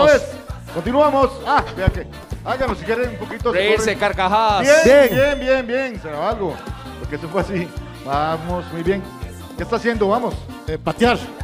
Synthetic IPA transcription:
oeskont̪̬inuamosabeake | alɡanosekjeɾeumpokit̪oɾeiɾsekaɾkaxabjebjebjembjembjeŋseɾaalɣo | poɾkees̬ofweasi | bamosmujβje̞ŋ | kest̪asjend̪oβamos | epat̪jaɾ

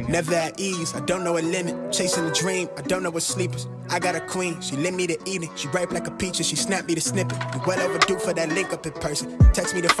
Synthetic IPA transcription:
nɛvə˞aʔizaɪdõʊ̃nːoʊɨlɪ̃mɨt̚t͡ʃʰeɪsɪ̃ŋɨdɹĩmaɪdõʊ̃nːoʊwʌtslipə˞z̥ | ʔaɪɡɑɾɨkʰw̥ĩnʃilɪ̃nmiɾɨʔiɾɪ̃ŋʃiɡɹaɪp̚laɪkəpʰit͡ʃə˞ʃisnæp̚miɾɨsnɪpɨwʌlɛvə˞dɨfə˞ðɨtˡlɪ̃ŋkʌpɨpʰɜ˞sɨ̃ntʰeɪksmiɾɨf

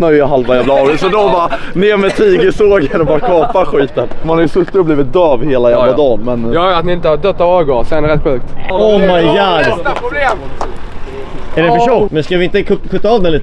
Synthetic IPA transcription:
nœjjɦalvajæːvlaɑːɡɪsɔd̪ɔbɑːnɪːɾmɛt̪ʰiːɡəsoːɡɛɾɛbɑːɾkʰɑːpaɧiːt̪ənmanɛɾjsɵst̪ːɪɔbliːvɪt̪̚d̪œːvheːlajæːvlad̪ɑːnmɛnjɑːjat̪nɪɪnt̪əhad̪œt̪ːɑvɑːɡɔsɛd̪ɛɾɛt̪ːɧʉːk̚t̪ɔmajɡɑːd̪ | æɖɛfœʂɔmɛnskavɪɪnt̪əkʰkʰʉt̪ːaɑːvd̪ɛnliːt̪

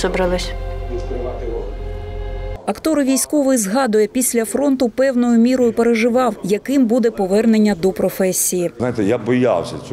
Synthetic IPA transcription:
zɔbɾɐlˠɪsʲ | ɐkt̪ɔɾʋʲijsʲkɔʋɔjzɦɑd̪ʊjɛpʲisʲlʲɐfɾɔnt̪ʊpɛwnɔjʊmʲiɾɔjʊpeɾeʒɪʋɑwjɐkɪmbud̪ɛpɔʋɛrnenʲːɐd̪ɔpɾɔfɛsʲːijinajt̪ɛjabɔja̰wsʲɐt͡ʃʲ

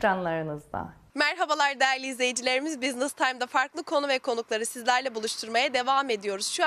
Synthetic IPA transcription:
ɾanlˠaɾɯnɯzd̪a̰ | mæɾɦabalˠaɾd̪ejæɾlʲiːzlʲe̞jid͡ʒilʲe̞ɾimizbiznɯst̪ʰajmd̪afaɾklˠɯkʰo̞nuvɛkʰo̞nuklˠaɾɯsizlʲæɾlʲɛbulˠuʃt̪ʰuɾmajad̪e̞vaːme̞d̪ijo̞ɾuz̥ʃu

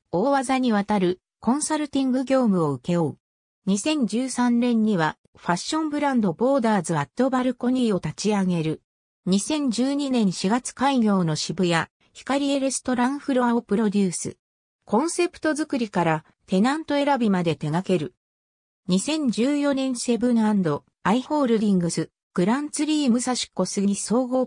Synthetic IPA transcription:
o̞ːβazaɲ̟iβat̪aɾɯ̟ | kõ̞ɰ̃saɾɯ̟t̪ʲĩŋɡɯ̟ɡʲo̞ːmɯ̟o̞ɯ̟ke̞oɯ | ɲ̟isẽ̞ɲ̟d͡ʑɨːsãnɾẽ̞ɲ̟ːiβa | ɸaɕːõ̞mbɯ̟ɾãnd̪o̞bo̞ːd̪aːzɨat̪ːo̞baɾɯ̟ko̞ɲ̟iːo̞t̪at͡ɕiaɡe̞ɾɯ̟ | ɲ̟isẽ̞ɲ̟d͡ʑɨːɲ̟inẽ̞ɰ̃ɕiɡat͡sɨ̥kaiɡʲo̞ːno̞ɕibɯ̟ja | çi̥kaɾʲie̞ɾe̞sɨ̥t̪o̞ɾãɰ̃ɸɯ̟ɾoãopɯ̟ɾo̞d̪ʲɨːsɨ̰ | kõ̞ɰ̃se̞pɯ̟̥t̪o̞zɨkɯ̟ɾʲikaɾa | t̪e̞nãnt̪o̞e̞ɾabʲimad̪e̞t̪e̞ɡake̞ɾɯ̟ | ɲ̟isẽ̞ɲ̟d͡ʑɨːjo̞nẽ̞ɰ̃e̞bɯ̟nãnd̪o̞ | aiho̞ːɾɯ̟d̪ʲĩŋɡɯ̟sɨ | ɡ̥ɯ̟ɾãnt͡sɨɾʲiːmɯ̟saɕi̥ko̞sɨɡiiso̞ːɡo̞ː

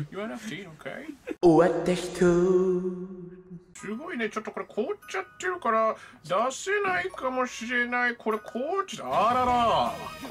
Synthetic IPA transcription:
juãnfsinokʰḛɪoat̪ːeʃt̪ʰu | ʃɨɡoinet͡ʃot̪ːokoɾekʰoːt͡ʃːat̪ːeɾɯ̟kaɾad̪asenaikamoɕiɾenaikʰoɾekʰoːt͡ʃːaaɾaɾa

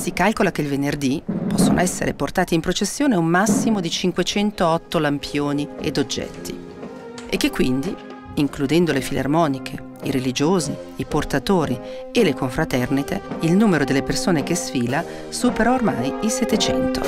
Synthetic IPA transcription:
sikalkolak̟eilvenerd̪ipɔsːono̰ɛsːḛɾeport̪aːt̪iːmpɾot͡ʃesːjoːneumːasːimod̪it͡ʃiŋkwet͡ʃɛnt̪oɔt̪ːolampʰjoːniḛd̪od͡ʒːɛ̰t̪ːḭ | ekːekːwind̪i | iŋklud̪ɛnd̪olefilʔa̰rmɔːnikʰe | iɾelid͡ʒoːzi | iport̪at̪oːɾi | elekoɱfɾat̪ɛrnit̪eilnuːmeɾod̪elːepersoːnekesfiːla | suːpeɾaormajilset̪ːet͡ʃɛ̰nt̪o̰

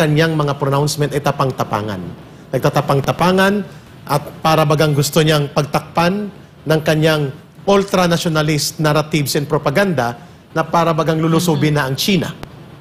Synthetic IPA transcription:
ɐɲjaŋmɐŋapɾonawnsmɛnt̪ɐjt̪ɐpaŋt̪ɐpa̰ːŋɐ̰n | nɐɡ̚t̪at̪ɐpaŋt̪ɐpaːŋɐn | ʔɐt̪̚paːɾɐbɐɡaŋɡʊst̪oɲaŋpɐɡ̚t̪ɐk̚panː | ɐŋkɐɲːaŋ | ʔult̪ɾɐnɐʃonɐlɪst̪̚naɾat̪ibsɪnpɾopɐɡand̪a | nɐpaːɾɐbɐɡaŋlʊlʊsuːbɪnɐʔɐŋt͡ʃiːna̰

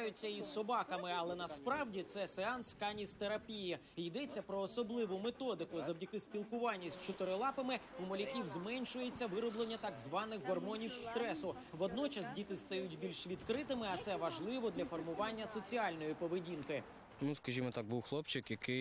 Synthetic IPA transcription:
jʊt͡sʲːɐisːɔbɑkɐmɪɐlˠɛnɐspɾɑwdʲit̪sɛseɑnskɐnʲist̪eɾɐpʲijɪ | jid̪ɛt͡sʲːɐpɾɔːsɔblˠɪʋʊmet̪ɔd̪ɪkʊzɐwdʲɐkɪsʲpʲilˠkʊʋɑnʲːɐsʲt͡ʃʊt̪ɪɾɪlˠɑpɐmɪʊmɔlʲɐkʲiwzmɛnʲʃʊjet͡sʲːɐʋɪɾɔblˠenʲːɐt̪ɐɡzʋɑnɪxbɔrmɔnʲiwst̪ɾɛsʊ | ʋɔd̪nɔt͡ʃɐsdʲit̪ɪst̪ɐjutʲbʲilʲʃʋʲid̪kɾɪt̪ɪmɪɐt̪sɛʋɐʒlˠɪʋɔd̪lʲɐfɔrmʊʋɑnʲːɐsɔt͡sʲiɑlʲnɔjipɔʋedʲinkɪ | t̪muskɐʒʲimɔt̪ɑɡ̚buwxlˠɔpt͡ʃɪkjɐkɪ

